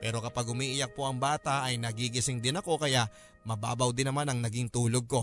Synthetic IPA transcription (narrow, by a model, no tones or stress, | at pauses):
ppɛːɾo̞kɐpaɡ̚hʊmiːʔɪjak̚po̞ʔɐŋbaːt̪aʔɐjnɐɡiɡɪsɪŋd̪ɪnɐko̞kɐjaʔ | mɐba̰ːbɐwd̪ɪnːɐmanɐŋnɐɡɪŋt̪uːlo̞ɡ̚ko̞